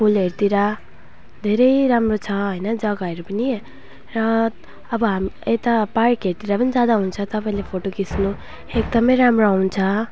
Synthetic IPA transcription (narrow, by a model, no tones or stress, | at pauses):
pʰulɦeɾt̪iɾʌ | d̪ʱeɾʌjɾamrot͡sʰʌɦʌjnʌd͡zʌɡaeɾupʌni | rʌː | bʌɦamiet̪apaɾkɦeɾt̪iɾʌpʌnid͡zad̪aɦunt͡sʰʌ̃t̪ʌpaĩlepʰoʈokisnu | ek̚d̪ʌmʌjɾamroawnt͡sʰʌ